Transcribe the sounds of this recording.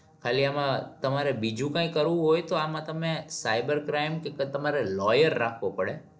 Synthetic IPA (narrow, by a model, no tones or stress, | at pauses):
kʰaliamãt̪əmaɾebid͡ʒũkãĩkəɾʋũɦojt̪oamãt̪əmesajbəɾkɾajmkeket̪əmaɾelɔjəɾːakʰʋopəɽe